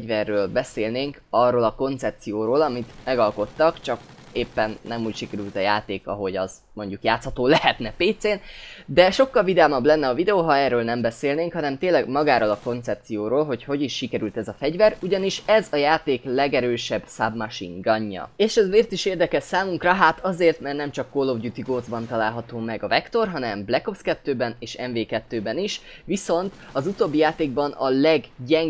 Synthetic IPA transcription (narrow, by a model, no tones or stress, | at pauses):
ɟvɛrːøːlbɛseːlneːŋk | ɒrːoːlɒko̞nt̪sɛp̚t̪sijoːɾoːlɒmit̪mɛɡɒlko̞t̪ːɒkt͡ʃɒkeːpːɛnːɛmuːcʃikɛɾylt̪ɒjaːt̪eːkɒ̰ɦo̞ɟɒz | mo̞ɲɟukjaːt̪shɒt̪oːlɛhɛt̪nɛpeːt̪seːnd̪ɛʃo̞kːɒlvid̪aːmɒblɛnːɛɒvid̪ɛoːɦɒɛːɾøːlnɛmbɛseːlneːŋkhɒnɛmt̪eːnlːɛɡmɒɡaːɾolɒko̞nt̪sɛp̚t̪sijoːɾoːlɦo̞cho̞ɟiʃːikɛɾylt̪ɛzɒfɛɟvɛɾuɟɒniʃɛzɒjaːt̪eːklɛɡɛɾøːʃɛbsa̰bmɒʃḭŋɡɒɲːɒ̰eːʃɛzmeːrt̪iʃeːrd̪ɛkɛʃsaːmuŋkrɒɦaːt̪ɒzeːrt̪mɛrtnɛmt͡ʃɒkːoːlovɟut̪iɡoːd̪zbɒnt̪ɒlaːlɦɒt̪oːmɛɡɒvɛkt̪o̞rɦɒnɛmblɛkofskɛt̪ːøːbɛneːʃɛɱveːkɛt̪ːøːbɛniʃ | ʋiso̞nt̪ɒzut̪oːbːijaːt̪eːɡ̚bɒnɒ̰lɛɡɟɛŋ